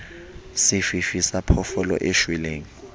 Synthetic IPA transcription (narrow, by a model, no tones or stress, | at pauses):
sɪfifisapʰɔfɔlɔ̰ʔeʃwɛleːŋ̩